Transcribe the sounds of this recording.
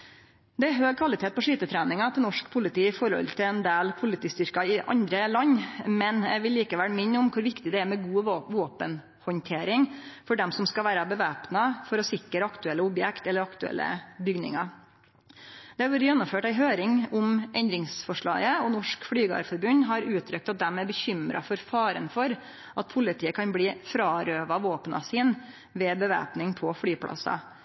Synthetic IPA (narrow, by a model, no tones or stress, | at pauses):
d̪ɛæɦøːɡ̚kʰʋɑlɪt̪ʰeːt̪̚pʰɔʂiːt̪ət̪ʰɾæːnɪŋɑt̪ʰɪnɔʂkpʰʊlɪt̪iːɪfɔɾhɔ̰lt̪ʰɪlɛnd̪eːlpʰʊlɪt̪ʰiːst̪ʏɾkɑɪʔɑ̰nd̪ɾəlɑɲːmɛnɛ̰ʋɪlːiːkəʋæːɾmɪɲnːʊmkʰʊɾʋɪkt̪ɪd̪ɛæmɛɡuːʋoːpən | hɔnt̪ʰeːɾɪŋfɔɖɛmsɔmskɑʋæːɾɑbəʋæːpnɑfɔɾɔsɪkːəɾəɑkt̪ʉɛlːəʊbjɛkt̪ɛlːəɾɑkt̪ʉɛ̰lʔə̰bʏɡnɪ̰ŋɑ | d̪̥ɛæɾɔɾjɛnːʊmføːʈæɪɦøːɾɪŋʊmʔɛnd̪ɾɪŋsfɔʂɭɑ̰ːɡəɔnɔʂkfɽyːɡɑ̰ɾfɔɾbʉnɦɑɾʉːt̪ʰɾʏkt̪ɑt̪̚d̪ɛmæɾbəçʏmɾɑ̰fɔɾfɑːɾə̰nfɔɾ | ʔɑt̪̚pʰʊlɪt̪ʰiːəkʰɑnbliːfɾɑːɾøːʋɑʋoːpənɑ̰siːn | ʋɛːbəʋæ̰ːpnɪŋpʰɔfɽyːpʰlʔɑ̰sɑ̰